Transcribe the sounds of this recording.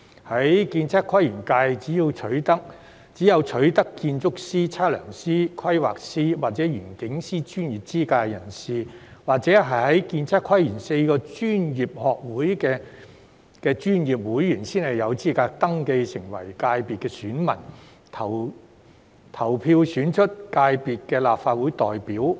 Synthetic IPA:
hɐ˨˥jkiː˧nt͡sʰɐ˥kʰːɐ˥jyː˨˩nkaː˧jt͡siː˨˥jiː˧wt͡ʃʰɵ˨˥ɥt̪ɐ˥k̚ | t͡siː˨˥jɐ˨˧wt͡ʃʰɵ˨˥ɥt̪ɐ˥kːiː˧nt͡sʊ˥k̚siː˥t͡sʰaː˥lœ̰ː˨˩ŋsiː˥kʰwɐ˥jwa̰ː˨k̚siː˥waː˨k̚t͡sɛː˨˥jyː˨˩nkɪ˨˥ŋsiː˥t͡ʃyː˥njiː˨˩p̚t͡siː˥kaː˧jɐ˨˩nsiː˨˩waː˨k̚t͡sɛː˨˥ɦɐ˨jhɐ˨˥jkiː˧nt͡sʰɐ˥kʰːɐ˥jyː˨˩nse˧jkɔː˧t͡ʃyː˥njiː˨p̚hɔː˨k̚wuː˨˥jkɛː˧ | kɛː˧t͡ʃyː˥njiː˨˩p̚wuː˨˥jːyː˨˩nsiː˥nhɐ˨jɐ˨˧wt͡siː˥kaː˧k̚t̪ɐ˥ŋke˧jsʰɪ˨˩ŋwɐ̰˨˩jkaː˧jpiː˨t̚kɛː˧syː˨˥nmɐ̰˨˩n | t̪ʰɐ˨˩w | t̪ʰɐ˨˩wpʰiː˧wsyː˨˥nt͡ʃʰɵ˥t̚kaː˧jpiː˨t̚kɛː˧laː˨p̚faː˧t̚wu˨˥jt̪ɔː˨˩jpiː˨˥w

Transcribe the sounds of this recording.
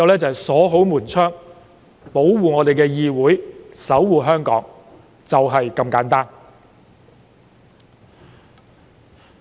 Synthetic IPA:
ɐ˧wlɛː˥t͡sɐ˨hɐ˨˩jsɔː˨˥ɦo˨˥wmuː˨˩nt͡ʃʰœː˥ŋ | po˨˥wwuː˨ŋɔː˨˧t̪e˨jkɛː˧jiː˧wuː˨˥jsɐ˨˥wwuː˨ɦœː˥ŋkɔ̰ː˨˥ŋ | t͡sɐ˨wɦɐ˨jkɐ˧mkaː˨˥nt̪aː˥n

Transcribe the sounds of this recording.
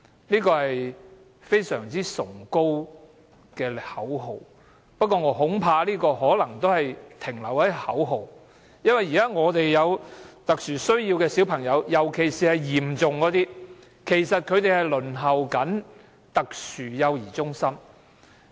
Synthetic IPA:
liː˥kɔː˧hɐ˨j | fe˥jsœ̰ː˨˩ŋt͡siː˥sʊ˨˩ŋko˥w | kɛː˧hɐ˨˥wɦo˨˩w | pɐ˥t̚kɔː˧ŋɔː˨˧ɦʊ˨˥ŋpʰaː˧liː˥kɔː˧ɦɔː˨˥lɐ˨˩ŋt̪o˥whɐ˨jt̪ʰɪ˨˩ŋlɐ˨˩whɐ˨˥jhɐ̰˨˥wɦo˨w | jɐ˥nwɐ˨ji˨˩kaː˥ŋɔː˨˧t̪e˨jːɐ˨˧wt̪ɐ˨k̚syː˨˩sɵ˥ɥjiː˧wkɛː˧si˨˥wpʰɐ˨˩ŋjɐ˨˧wjɐ˨˩wkʰe˨˩jsiː˨hɐ˨jjiː˨˩mt͡sʊ˨ŋkɔː˨˧˥t̪iː˥ | kʰe˨˩jsɐ˨t̚kʰɵ˨˧ɥt̪e˨jhɐ˨jlɵ˨˩nɦɐ˨˩wkɐ˨˥n | t̪ɐ˨k̚syː˨˩jɐ˨˧wjiː˨˩t͡sʊ˥ŋsɐ˥m

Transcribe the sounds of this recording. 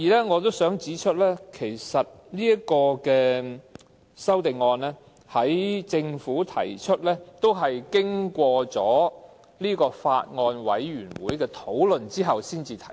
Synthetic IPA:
iː˨˩lɛː˥ŋɔː˨˧t̪̬o˥wsœː˨˥ŋt͡siː˨˥t͡ʃʰɵ˥t̚lɛː˥kʰe˨˩jsɐ˨t̚ | liː˥jɐ˥kɔː˧kɛː˧ | sɐ˥wt̪ɪ˨ŋːɔː˧nɛː˥ | hɐ˨˥jt͡sɪ˧ŋfuː˨˥t̪ʰɐ̰˨˩jt͡ʃʰɵ˥t̚lɛː˥t̪o˥wɦɐ˨jkɪ˥ŋkʷɔː˧t͡sɔː˨˥ | liː˥kɔː˧fa̰ː˧t̚ŋɔː˧nwɐ̰˨˥jɥyː˨˩nwuː˨˥jkɛː˧t̪ʰo˨˥wlɵ˨nt͡siː˥ɦɐ˨wsiː˥nt͡siː˨t̪ʰɐ˨˩

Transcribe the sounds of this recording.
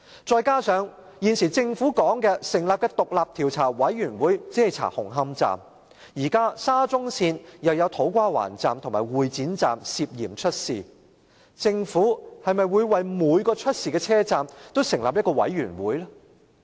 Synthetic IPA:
t͡ʃɔː˨˧jkaː˥sœː˨˧ŋ | jiː˨nsiː˨˩t͡sɪ˧ŋfuː˨˥kɔː˨˥ŋkɛː˧sɪ˨˩ŋlaː˨p̚kɛː˧t̪ʊ˨k̚laː˨p̚t̪ʰiː˨˩wt͡sʰaː˨˩wɐ˨˥jɥyː˨˩nwuː˨˥jt͡siː˨˥hɐ˨jt͡sʰa̰ː˨˩hʊ˨˩ŋɦɐ˥mt͡sa̰ː˨m | jiː˨˩kaː˥saː˥t͡sʊ˥ŋsʰiː˧njɐ˨˧wjɐ˨˧wt̪ʰo˨˥wkʷaː˥wa̰ː˨˩nt͡sa̰ː˨mt̪ʰʊ˨˩ŋmaː˨˩jwuː˨jt͡siː˨˥nt͡saː˨msiː˧p̚jḭː˨˩mt͡ʃʰɵ˥t̚siː˨ | t͡sɪ˧ŋfuː˨˥hɐ˨jmɐ˨jwuː˨˧jwɐ˨jmuː˨˧jkɔː˧t͡ʃʰɵ˥t̚siː˨kɛː˧t͡sʰɛː˥t͡saː˨mt̪o˥wsɪ˨˩ŋla̰ː˨p̚jɐ˥t̚kɔ˧wɐ̰˨˥jɥyː˨˩nwṵː˨˥jlɛ˥

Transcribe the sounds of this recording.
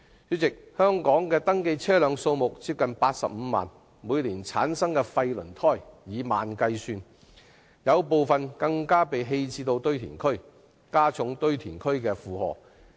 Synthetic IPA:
yː˨˥t͡sɪ˨k̚hœː˥ŋkɔː˨˥ŋkɛː˧t̪ɐ˥ŋke˧jt͡sʰɛː˥lœː˨˧ŋso˧wmʊ˨k̚t͡siː˧˥p̚kɐ˨npaː˧t̚sɐ̰˨p̚m̩˨˧ma̰ː˨˩n | muː˨˧jliː˨˩nt͡sʰa̰ː˨˥nsɐ˥ŋkɛː˧fɐ˧jlɵ˨˩nt̪ʰɔː˥jjiː˨˧ma̰ː˨nkɐ˧jsyː˧n | jɐ˨˧wpo˨wfɐ˨nkɐ˧ŋkaː˥pe˨jɦe˧jt͡siː˧t̪o˧wt̪ɵ˥ɥt̪ʰḭː˨˩nkʰɵ˥ɥ | kaː˥t͡sʰʊ˨˥ŋt̪ɵ˥ɥt̪ʰiː˨˩nkʰɵ˥ɥkɛː˧fuː˨hɔ̰ː˨˩

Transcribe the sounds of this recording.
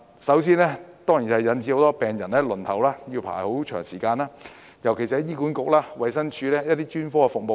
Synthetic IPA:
sɐ˨˥wsiː˥nɛː˥t̪ɔː˥ŋji˨˩hɐ˨jɐ˨˥nt͡si˧ho˨˥wt̪ɔː˥pɛː˨ŋjɐ˨˩nlɛː˥lɵ˨˩nt̪ʰɐ˨˩wlaː˥ji˧wpʰa̰ː˨˩jho˨˥wt͡ʃʰœ̰ː˨˩ŋsiː˨˩kaː˧naː˥ | jɐ˨˩wkʰe˨˩si˨hɐ˨˦jiː˥kuː˨˥nkʊ˨k̚laː˥wɐ˨jsɐ˥nt͡ʃʰyː˨˧lɛː˥jɐ˥t̪̚iː˥t͡ʃyː˥nfɔː˥ɛ˧fʊ˨k̚mo˨˧w

